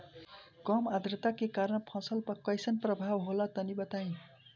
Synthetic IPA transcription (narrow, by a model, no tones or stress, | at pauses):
ɡʌmad̪rʌt̪akekaɾʌɳpʰʌ̃sʌlpʌkʌjsʌnprʌbʱabɦolat̪ʌnibʌt̪aj̃